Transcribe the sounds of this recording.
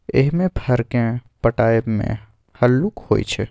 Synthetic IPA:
ḛɦmẽpʰəɾkẽpəʈaːemḛ̃ | həlːukhoːḭt͡ʃʰɛ

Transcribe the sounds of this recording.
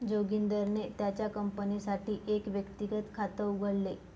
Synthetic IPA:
d͡ʑoɡind̪əɾnet̪jat͡ɕjakəmpənisaʈiːʔekʋjəkt̪iɡət̪kʰat̪əuɡʱəɽle

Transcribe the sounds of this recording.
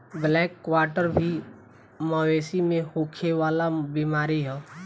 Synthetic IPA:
blɛːkːwaːɾʈəɾbʱi | məweːsimẽhokʰeʋaːlabiːmaːɾiɦɛ

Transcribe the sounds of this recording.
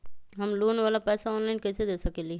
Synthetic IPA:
ɦəmloːnʋaːlapɛːsaɔːnlaːɪnkɐːsed̪esəkeːli

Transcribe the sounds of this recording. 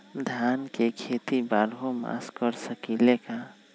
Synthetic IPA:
d̪ʱjankekʰet̪ibaɾɦoma̰skəɾsəkileka

